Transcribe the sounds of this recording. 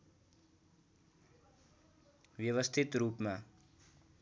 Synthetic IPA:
bjʌwʌst̪ʰit̪rupma

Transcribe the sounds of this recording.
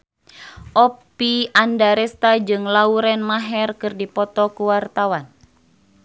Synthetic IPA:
ʔɔpiandaɾɛst̪ad͡ʒɨŋlauɾɛnmaɦɛrkɨrdipɔt̪ɔkuwart̪awan

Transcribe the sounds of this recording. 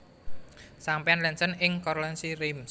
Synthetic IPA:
sampianlɛnsənɪŋkɔɾlɛnsiɾɪms

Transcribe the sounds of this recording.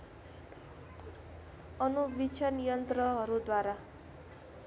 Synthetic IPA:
ʌnubit͡ʃʰʌnijʌnt̪rʌɦʌɾud̪waɾa

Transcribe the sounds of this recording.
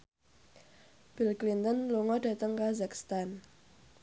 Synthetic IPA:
b̥ilklint̪ənluŋɔda̤t̪əŋkazakst̪an

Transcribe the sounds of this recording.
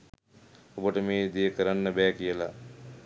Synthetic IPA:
obəʈəmeːd̪ejəkəɾanːəbɛːkijəla

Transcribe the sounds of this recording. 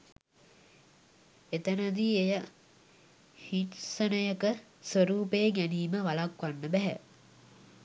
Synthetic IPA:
et̪ənəd̪iejə | hitsənəjəkəsʋəɾuːpeːŋæniːməʋalakʋanːəbæɦæ̰

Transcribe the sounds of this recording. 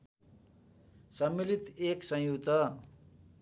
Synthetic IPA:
sʌmːilit̪eksʌ̃jut̪ʌ

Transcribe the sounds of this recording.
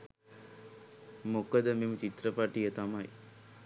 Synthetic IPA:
mokəd̪əmemut͡ʃit̪ɾəpaʈijət̪amaj

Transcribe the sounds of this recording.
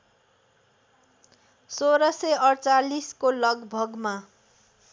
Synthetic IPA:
soɾʌseʌrt͡saliskolʌɡbʱʌɡma

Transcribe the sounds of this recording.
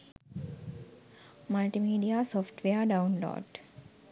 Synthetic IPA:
məlʈimiːɖijaːsɔːfʈʋeəɖawnlo̰ːɖ

